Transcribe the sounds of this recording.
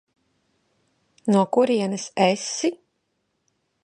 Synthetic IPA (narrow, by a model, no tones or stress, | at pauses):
nuɔkuɾiɛnɨsɛsi